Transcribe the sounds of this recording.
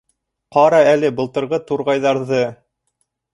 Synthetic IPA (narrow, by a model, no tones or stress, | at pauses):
qɑɾɑælɘbɤ̆lˠt̪ɤ̆ɾʁɤt̪uɾʁɑjðɑɾðɤ